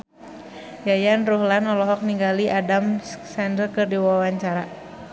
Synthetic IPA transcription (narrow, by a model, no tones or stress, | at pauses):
jajanruɦlanɔlɔɦɔk̚niŋɡaliʔadamsɛndərkɨrdiwawaɲt͡ʃaɾa